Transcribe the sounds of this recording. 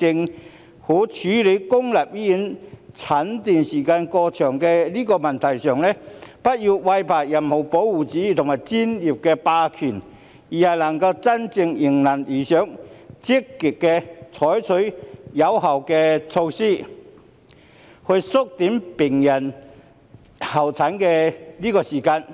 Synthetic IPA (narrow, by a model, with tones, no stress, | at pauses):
t͡sɪ˧ŋ | huː˨˥t͡ʃʰyː˨˥le˨˧˥jkʊ˥ŋlaː˨p̚jiː˥ji˨˥nt͡sʰɐ˨˥nt̪iː˨nsiː˨˩kaː˧nkɔː˧t͡ʃʰœː˨˩ŋkɛ˧liː˥kɔː˧mɐ˨nt̪ʰɐ˨˩jsœː˨˩ŋlɛː˥pɐ˥t̚ji˧wwɐ˧jpʰaː˨˩kjɐ˨˩nho˨˩wpo˨˥wːuː˨˩t͡siː˨˥y˨˧t̪ʰʊ˨ŋmaː˨˩jt͡siː˥njiː˨p̚kɛː˧paː˧kʰyː˨˩n | jiː˨˩hɐ˨jlɐ˨˩ŋkɐ˧wt͡sɐ˥nt͡sɪ˧ŋjɪ˨˩ŋnɐ˨˩njiː˨˩sœː˨˥ŋt͡sɪ˥kːi˨˩kkːɛ˧t͡sʰɔː˨˥jt͡sʰɵ˨˥ɥjɐ˨˧wɦɐ˨wkɛ˧t͡sʰo˧wsiː˥ | hɵ˧ɥsʊ˥k̚t̪iː˨˥mpɪ˨˩ŋjɐ˨˩n | hɐ˨˩wt͡sʰɐ˨˥nkɛ˧liː˥kɔː˧siː˨˩kaː˧n